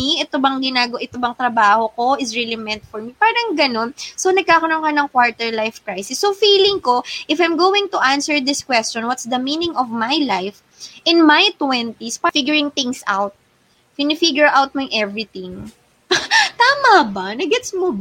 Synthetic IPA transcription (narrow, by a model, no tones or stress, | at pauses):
iʔɛt̪obɐŋɡɪnaːɡɐwʔɪt̪obɐŋt̪ɾɐbaːhoko̞ʔɪsɹilimɛnt̪̚fɔɹmipaːɾɐŋɡɐno̞nsonɐɡ̚kaːkɐnoŋkɐnɐŋkwaɹt̪ɛɹlajfkɹajsɪsːofiːlɪŋko̞ʔɪfajmɡoːwɪ̃ŋt̪ʊʔansɛɹd̪ɪskwɛst͡ʃɔ̃nwɐt̪sd̪ɐmiːnɪ̃ŋɔvmajlajf | ʔɪ̃nmajt̪wɛnt̪ispafiɡjʊɹɪŋt̪ɪŋsʔa̰wt̪̚ | pɪnɪfiɡjʊɹʔawt̪̚mjŋʔɛvɾɪt̪ɪ̃ŋ | t̪aːmɐbanɐɡɛt̪smob